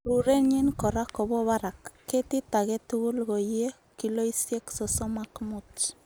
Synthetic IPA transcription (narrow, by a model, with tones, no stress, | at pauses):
ɾu˨ɾe˦ɲi˦nko˨ɾa˦ko˨βɔ˦βa˦ɾa˨kːe˦ti˦ta˨ɣe˦tuɣu˦lɣo˨je˦ | ki˦lo˦i˦sje˦kso˦so˦ma˦kmut͡ʃ